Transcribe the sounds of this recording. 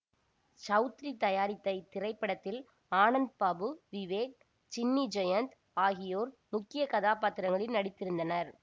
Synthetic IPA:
sɐʊt̪ɾit̪ɐjaːɾɪt̪ːɐɪt̪ɪrɐɪpːɐɽɐt̪ːɪl | aːnɐnd̪̚paːbɯʋɪʋeːk̚ | t͡ʃɪnːid͡ʒɐjɐnt̪ | aːɣɪjoːɾmʊkːɪjɐkɐðaːpaːt̪ːɪɾɐŋɡɐɭɪnnɐɽɪt̪ːɪɾɯnd̪ɐnɐɾ

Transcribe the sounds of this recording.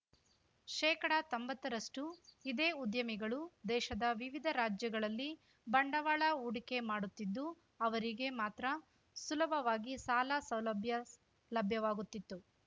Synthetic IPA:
ʃɛːkɐɽɐt̪ombɐt̪ːɐɾɐʂʈuid̪eːud̪jɐmiɡɐɭud̪ɛːʃɐd̪ɐʋiʋid̪ʱɐɾaːd͡ʒjɐɡɐɭɐlːi | bɐɳɖɐʋaːɭɐuːɽike̞maːɽut̪ːid̪ːu | ɐʋɐɾiɡe̞maːt̪ɾɐ | sulɐbʱɐʋaːɡisaːlɐsɐwlɐbʱjɐ | lɐbʱjɐʋaːɡut̪ːit̪ːu

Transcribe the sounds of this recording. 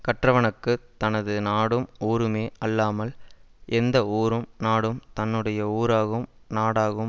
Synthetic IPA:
kɐʈrɐʋɐɳɯkːɯt̪ɐnɐðɯnaːɽɯmoːɾɯmeːɐlːaːmɐlʔɛnd̪ɐoːɾɯmnaːɽɯmt̪ɐnːɯɽɐjɐuːɾaːɣɯmnaːɽaːɣɯ

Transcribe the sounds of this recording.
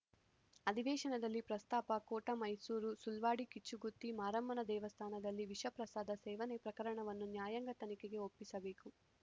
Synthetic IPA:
ɐd̪ʱiʋɛːʃɐnɐd̪ɐlːipɾɐst̪aːpɐkoːʈɐmɐjsuːɾusulʋaːɽikit͡ʃːuɡut̪ːimaːɾɐmbɐnɐd̪ɛːʋɐst̪ʰaːnɐd̪ɐlːiʋiʃɐpɾɐsaːd̪ɐsɛːʋɐnepɾɐkɐɾɐɳɐʋɐnːunjaːjɐŋɡɐt̪ɐnikeɡe̞opːisɐbeːku

